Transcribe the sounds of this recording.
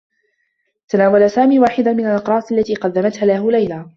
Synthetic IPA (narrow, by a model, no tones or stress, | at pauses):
t̪anaːwalasaːmiːwaːħɪd̪amɪnalʔɑqɾˤɑːsalːat̪iːqɑd̪ːamat̪haːlahʊlajlaː